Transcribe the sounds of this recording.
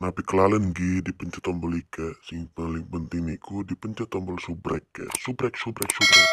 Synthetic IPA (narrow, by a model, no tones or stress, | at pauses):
napikəlalənɡidipəɲt͡ʃat̪ɔmbɔlikasiŋpalɪŋpənt̪iŋnikudipəɲt͡ʃat̪ɔmbɔlsubɾɛ̰kːa̰subɾɛk̚subɾɛk̚subɾɛk̚